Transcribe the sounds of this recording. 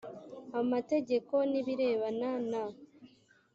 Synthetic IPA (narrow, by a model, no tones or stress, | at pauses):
amate̞ɟe̞ko̞niβiɾe̞ːβanana